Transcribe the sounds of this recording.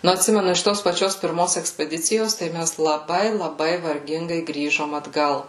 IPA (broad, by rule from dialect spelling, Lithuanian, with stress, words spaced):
nʊ ɐtʲˈsʲɪmʲɛnʊ ɪʃ ˈtoːs pɐˈt͡ʃʲoːs pʲɪrˈmoːs ɛksʲpʲɛˈdʲɪt͡sʲɪjoːs tɐɪ ˈmʲæs lˠɐˈbɐɪ lˠɐˈbɐɪ ʋɐrʲˈɡʲɪŋɡɐɪ ˈɡrʲiːʒoːm ɐdˈɡɐlˠ